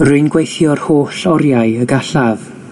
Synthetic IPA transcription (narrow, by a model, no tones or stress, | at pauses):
rʊɨnɡwejθjɔrhoːɬɔɾjaɨəɡaɬað